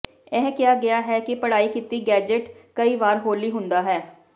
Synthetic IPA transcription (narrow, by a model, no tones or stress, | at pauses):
ɛːkɪjaːɡɪjaːɦɛːkɪpəɽaːiːkiːt̪iːɡɛːd͡ʒɪʈkəiːʋaːɾɦoːliːɦʊ̃nd̪aːɦɛː